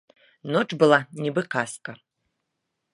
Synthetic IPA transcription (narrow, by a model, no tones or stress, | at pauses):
noʈ͡ʂʼbɨlˠanʲibɨqaskʼɐ